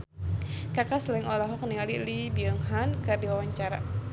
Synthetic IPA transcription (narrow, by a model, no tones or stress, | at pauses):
kakaslɛŋʔɔlɔɦɔk̚nialilibiəŋɦankɨrdiwawaɲt͡ʃaɾa̰